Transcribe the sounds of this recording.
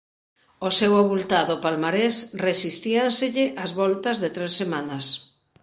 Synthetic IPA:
osewaβult̪aðopalmaɾesresist̪ianseʎɪʔɐzβɔlt̪ɐzðɪt̪ɾesːemanɐs

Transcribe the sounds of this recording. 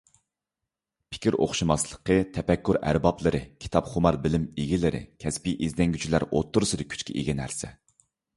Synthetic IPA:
pʰɪ̥kʲʰiɾo̰χʃumɑslˠə̥qʰət̪ʰɛpɛkʲːyɾæ̰ɾbɑplˠɨɾɨkʲʰi̥t̪ʰɑpχʊmɑɾbɪlɪmeɡʲilɪɾɪ̰kʲʰɛspiʔizd̪ɛŋɡʲyt͡ʃʰilæɾo̰t̪ːuɾsɨd̪ɨkʲʰy̥t͡ʃkʲʰḭʔeɡʲɛnæ̰ɾsɛ̰

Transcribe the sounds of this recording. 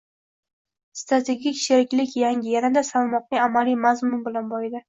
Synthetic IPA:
st̪ɾat̪ʰe̞ɡʲikʲʃeɾɪkʲlɪkʲjaŋʲɪjanad̪asalˠmɒq̚nɪamalijmazmʊnbɪlanbɒɪd̪ɪ

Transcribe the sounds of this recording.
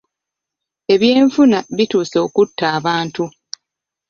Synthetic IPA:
e̞βje̞ːɱfunaβituːso̞ːkutːaːβaːntu

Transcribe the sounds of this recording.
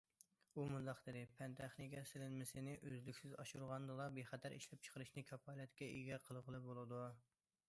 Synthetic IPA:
umund̪ɑχd̪ɨd̪ɪpʰɛnt̪ʰæχnɪkʲʰɛsɪlɪnmɪsɪnɪʔøzlykʲsɪzɑʃuɾʁɑnd̪ɨlˠɑbeχɛt̪ʰæɾʔḭʃlɛp̚t͡ʃʰə̥qʰəɾɨʃnɪkʲʰɑpʰɑːlɛt̪kʲɛʔḭɡʲɛqʰəlˠʁəlˠɨp̚bolˠɨd̪u

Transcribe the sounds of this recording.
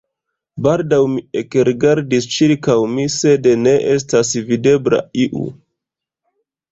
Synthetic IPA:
baldawmiekɾiɡaɾdist͡ʃiɾkawmise̞dene̞ʔes̬tasvide̞bɾa̰iʔṵ

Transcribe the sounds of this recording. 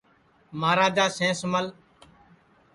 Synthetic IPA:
maːɾaːd͡ʒaːsẽːsəməl

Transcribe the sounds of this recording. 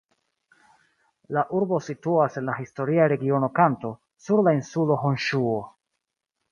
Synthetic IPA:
laʔuɾbo̞situase̞nlaɦisto̞ɾiaɾe̞ɡio̞no̞kanto̞ | suɾlainsulo̞ɦo̞nʃuo

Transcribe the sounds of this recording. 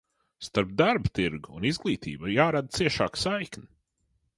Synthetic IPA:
st̪aɾp̚d̪aɾbt̪iɾɡuunizɡlˠiːt̪ḭːbajaːɾad̪̚t̪siɛʃa̰ːksajkni

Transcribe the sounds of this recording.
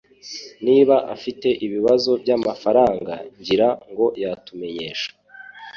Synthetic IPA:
niːβaʔa̰fite̞ʔiβiβazo̞bjamafaɾaːŋɡa̰ɲɟiɾaŋɡo̞jatume̞ɲe̞ːʃḁ

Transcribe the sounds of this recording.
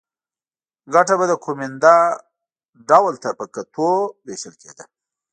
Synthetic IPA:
ɡaʈabad̪əkʰomɪnd̪a | ɖawlt̪apəkat̪ʰoweʃəlkʰḛd̪ə

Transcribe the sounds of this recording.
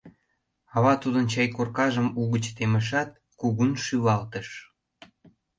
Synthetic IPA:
ɑβɑt̪ud̪ənt͡ɕɑjkorkɑʒəmuɣət͡ɕt̪eməʃ̬ɑt̪̚ | kuɣunʃyβɑlt̪əʃ

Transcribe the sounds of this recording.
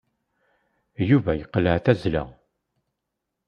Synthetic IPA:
juvæjəqːləʕθæzlə̰

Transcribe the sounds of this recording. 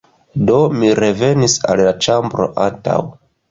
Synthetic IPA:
do̞miɾe̞ve̞nisa̰lːat͡ʃambɾo̞̰ʔanta̰w

